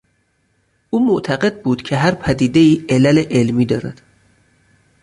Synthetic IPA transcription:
ʔuːmoʔt̪ʰæɣe̞d̪̚buːd̪̥cʰe̞ɦæɾpʰæd̪iːd̪e̞iːelæleʔelmiːd̪ɒːɾæ̰d̪̥

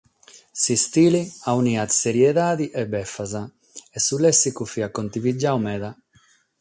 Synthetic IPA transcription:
sist̪iːliauniːat̪seɾjɛðaːðiʔɛbːɛfːaza | ɛsulɛsːikufiakːont̪ivid͡ʒːawmɛːða

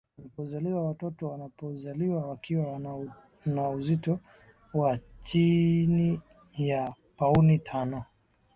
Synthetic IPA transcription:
walipɔzaliwawatɔtɔwanapɔzaliwawakiwa | nauzitɔ | wat͡ʃini | ja | paunitʰanɔ

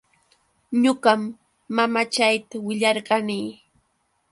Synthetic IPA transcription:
ɲoɢɑmː | amat͡ʃajt̪awɪʎɑɾɢɑniː

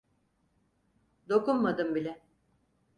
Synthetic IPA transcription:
d̪o̞kunmad̪ɯmbilʲɛ

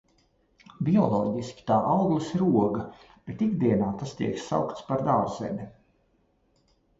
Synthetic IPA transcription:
bʲiɔlˠɔ̰ːɟisʲkʲi̥t̪aːʔawɡlˠisɾuɔɡɐ | b̥et̪iɡd̪iɛnaːt̪ast̪ḭɛksa̰wkt̪spaɾd̪aːɾzɛ̰mʲi

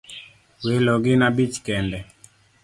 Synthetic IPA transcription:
welɔɡɪnabit͡ʃkɛndɛ

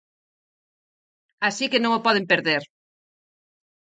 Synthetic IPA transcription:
asikenõŋopɔð̞empeɾðeɾ

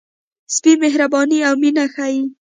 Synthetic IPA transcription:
spimeɦɾabɑniawminaxaji

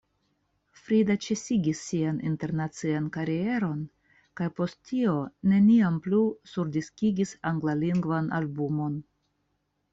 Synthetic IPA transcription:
fɾidat͡ʃe̞siɡisːianḭnte̞ɾnat͡siankaɾie̞ɾo̞n | kajpo̞stːio̞ne̞niamplusuɾdiskiɡisaŋɡlaliŋɡvanʔa̰lbumo̞n

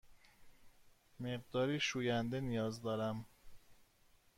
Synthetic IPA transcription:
meɢd̪ɒːɾiːʃuːjænd̪e̞nijɒːzd̪ɒːɾæm

